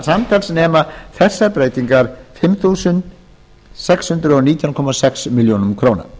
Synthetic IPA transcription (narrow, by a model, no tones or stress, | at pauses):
samt̪ʰalsnɛːmaθɛ̥sːaɾpɾeːjt̪iŋkaɾ̥fɪmθuːsʏn | sɛkshʏnt̪ɾʏɔniːt̪ʰjawnkʰɔmasɛksmiljoːwnʏmkʰɾoːwna̰